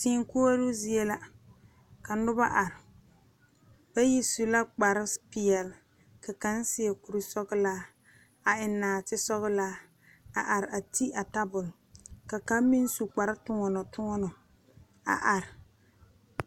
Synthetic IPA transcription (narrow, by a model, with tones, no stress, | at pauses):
tiː˦ŋ˦koː˦a˦lʊ˦zi˦ɛ˦la˦ | ka˨nʊ˦ba˦ʔa˨ɾɪ˨ | b̥a˦ji˦su˨la˦k͡pa˨ɾɪ˦pɪ˨ɛ˨l | ka˨ka˨˦n˦sɪ˦ɛ˨ku˨ɾi˨sɔ˦ɣɪ˦laː˦ | a˨ɪ˨nːaː˨tɪ˦sɔ˦ɣɪ˦laː˦ | a˨ʔa˨ɾɪ˨a˨ti˦a˨ta˦bʊ˨lka˨ka˦mi˦n˦su˨k͡pa˨ɾa˦tʊ˦ŋɔ˨nɔ˨tʊ˦ŋɔ˦nɔ˨ | a̰˨ʔa˨ɾɪ˨